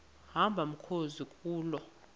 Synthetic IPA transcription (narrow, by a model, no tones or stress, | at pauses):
hambʱam̩kʰozikʼuːlɔ